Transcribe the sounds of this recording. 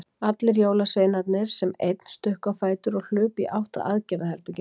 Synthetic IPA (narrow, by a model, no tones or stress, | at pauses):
at̪lɪɾjoːwlasveːjnat̪nɪɾ̥sɛmejt̪n̥st̪ʏhkafaːjt̪ʏɾɔɣl̥ʏːpiʔawht̪a̰ʔaːðcɛɾðahɛɾpɛcɪ